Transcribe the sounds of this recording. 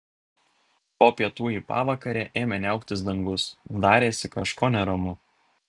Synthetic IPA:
poːpʲiɛt̪uːiːpɑ̰ːʋɐkɐɾʲeːʔeːmʲɛnʲɛˑʊkt̪ʲɪs̬d̪ɐŋɡʊsd̪ɑːɾʲeːsʲɪkɐʃkoːnʲɛɾɐmʊ

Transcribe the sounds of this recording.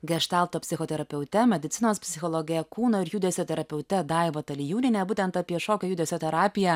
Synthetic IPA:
ɡʲɛʃt̪ɑˑlˠt̪oːpʲsʲɪxoːt̪ʲɛɾɐpʲɛʊt̪ʲɛmʲɛd̪ʲɪt̪sʲɪnoːspʲsʲɪxoːlˠoːɡʲɪjɛkuːnoːɪɾjud̪ʲɛsʲot̪ʲɛɾɐpʲɛʊt̪ʲɛd̪ɑɪʋoːt̪ɐlʲɪjuːnʲɪnʲɛːbuːt̪ʲɛnt̪ɑpʲiɛʃoːkʲɛjʊd̪ʲɛːsʲot̪ʲɛɾɑːpʲɪjɛ

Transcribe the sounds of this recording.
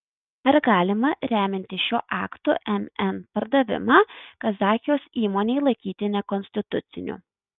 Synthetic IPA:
ɐɾɡɑːlʲɪmɐɾʲæːmʲɪnʲt̪ʲɪʃʲoːʔɑ̰ːkt̪o̰ːʔɛmɛnpɐɾd̪ɐʋʲɪ̰mɑːkɐzɑːxʲjoːsiːmoːnʲeɪlˠɐɪkʲiːt̪ʲɪnʲɛkɔnʲsʲt̪ʲɪt̪ʊt̪sʲɪnʲṵ

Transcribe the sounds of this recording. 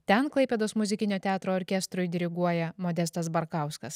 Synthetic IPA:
t̪ʲɛnklˠɐɪpʲeːd̪oːsmʊzʲɪkʲɪnʲoːt̪ʲæːt̪ɾoːɾʲkʲɛst̪ɾʊjd̪ʲɪɾʲɪɡuɔjɛmoːd̪ʲɛst̪ɐsbɐɾkɑˑʊskɐs

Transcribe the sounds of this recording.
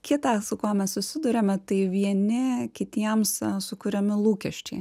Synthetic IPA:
kʲɪt̪ɑːsʊkoːmʲɛssʊsʲɪd̪ʊɾʲɛmʲɛt̪ɐɪʋʲiɛnʲɪkʲɪt̪ʲiɛmssʊkʊɾʲɛmʲɪlˠuːkʲɛʃʲt͡ʃʲɛɪ

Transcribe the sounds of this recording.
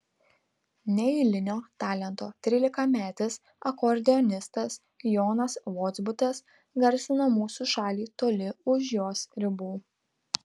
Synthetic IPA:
nʲɛɪlʲɪnʲoːt̪ɑːlʲɛnt̪oːt̪ʲɾʲiːlʲɪkɑmʲæːt̪ʲɪs | ɐkɔɾʲd̪ʲɛɔnʲɪst̪ɐs | jɔːnɐsʋɔd̪zbʊt̪ʲɛs | ɡɐɾʲsʲɪnoːmuːsuʃɑːlʲiːt̪oːlʲɪʊʃjoːsɾʲɪbuː

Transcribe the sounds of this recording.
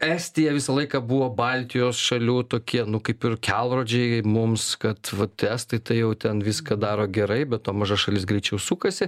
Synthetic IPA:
ɛsʲt̪ʲijɛʋʲɪsɐlˠɐɪkɐbuʋoːbɐlʲt̪ʲɪjoːsʃɐlʲuːt̪oːkʲiɛnʊkɐɪpɪrkʲɛlˠroːd͡ʒʲɛɪmʊmskɐt̪ʋɐt̪æːst̪ɐɪt̪ɐɪjɛʊt̪ʲɛnʋʲɪskɐd̪ɑːɾoːɡʲɛɾɐɪbʲɛt̪toːmɐʒɐʃɐlʲɪsɡɾʲɛɪt͡ʃʲɛʊsuːkɐsʲɪ

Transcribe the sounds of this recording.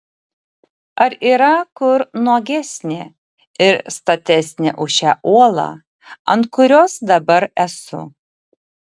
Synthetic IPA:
ɐɾiːɾɐkʊɾnuɔɡʲæsʲnʲe | ɪɾst̪ɐt̪ʲɛsʲnʲɛ̰ʔʊʃʲæ̰ːʔuɔlˠɑ̰ː | ɐnt̪kʊɾʲoːsd̪ɐbɐɾɛsʊ̰

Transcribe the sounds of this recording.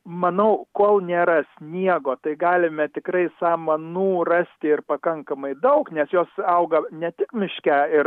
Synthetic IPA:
mɐnɐʊkoːlˠnʲeːɾɐsʲnʲiɛɡoːt̪ɐɪɡɑːlʲɪmʲɛt̪ʲɪkrɐɪsɑːmɐnuːrɑːsʲt̪ʲɪɪrpɐkɐŋkɐmɐɪd̪ɐʊknʲɛsjoːsɐʊɡɐnʲɛt̪ʲɪkmʲɪʃʲkʲæːɪr

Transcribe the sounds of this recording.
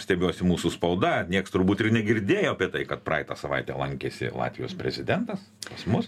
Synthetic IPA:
sʲt̪ʲɛbʲoːsʲɪmuːsʊspɐʊd̪ɐnʲiɛkst̪ʊɾbuːt̪ɪrnʲɛɡʲɪɾʲd̪ʲeːjoːɐpʲiɛt̪ɐɪkɐt̪̚prɑɪt̪ɑːsɐʋɐɪt̪ʲɛ̰ːlˠɐŋʲkʲeːsʲɪ̰lˠɑ̰ːt̪ʲʋʲɪjo̰ːspʲɾʲɛzʲɪd̪ʲɛnt̪ɐs | pɐsmʊs

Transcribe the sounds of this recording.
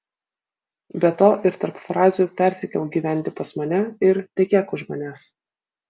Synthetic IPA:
bʲɛt̪oːʔɪɾt̪ɐɾpfɾɑːzʲupʲæˑɾʲsʲɪkʲɛlˠɡʲiːʋʲæˑnʲt̪ʲɪpɐsmɐnʲɛɪɾt̪ʲɛkʲeːkʊʒmɐnʲeːs

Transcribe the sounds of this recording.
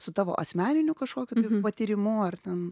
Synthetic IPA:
sʊt̪ɑːʋo̰ːʔɐsʲmʲæːnʲɪnʲukɐʃkoːkʲʊt̪ɐɪpɐt̪ʲɪɾʲɪmʊɐrt̪ʲɛn

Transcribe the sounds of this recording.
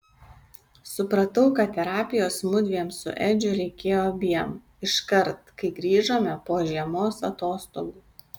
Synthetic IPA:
sʊpɾɐt̪ɐʊkɐt̪ʲtʲɛɾɑːpʲɪjoːsmʊd̪ʲʋʲiɛmsʊ̰ʔɛd͡ʒʲʊɾʲɛɪkʲeːjoːbʲiɛm | ɪʃkɐɾt̪kɐɪɡɾʲiːʒoːmʲɛpoːʒʲiɛmoːsɐt̪oːst̪o̰ːɡuː

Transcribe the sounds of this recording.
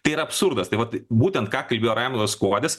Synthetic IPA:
t̪ɐɪiɾɐɐpsʊɾd̪ɐst̪ɐɪʋɐt̪buːt̪ʲɛnt̪̚kɑːkɐlʲbʲeːjoːɾɑːmʲɪd̪oskoːd̪ʲɪs

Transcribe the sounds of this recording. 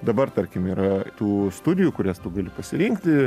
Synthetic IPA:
d̪ɐbɐrt̪ɐɾʲkʲɪmiːɾɐt̪uːst̪ʊd̪ʲɪjuːkʊɾʲæst̪ʊɡɐlʲɪpɐsʲɪɾʲɪŋkt̪ʲɪ

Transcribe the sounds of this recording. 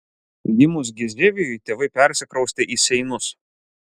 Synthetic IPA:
jʲɪmʊs̬ɡʲɪzʲɾʲeːʋʲɪjʊɪt̪ʲeːʋɐɪpʲɛɾʲsʲɪkɾɐʊsʲt̪ʲeʔiːsʲɛɪnʊs

